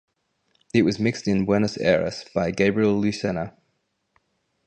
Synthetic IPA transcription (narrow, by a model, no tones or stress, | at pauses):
ɪʔwɒzmɪkstɪ̃nwɛnəsɛ̰ɹə̰sb̥aɪɡeɪbɹiəlˠːʉsɛnə